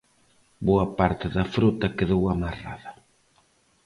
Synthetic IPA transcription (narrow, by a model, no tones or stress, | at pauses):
boɐpaɾt̪ɪðɐfɾut̪ɐkeðowamara̰ðɐ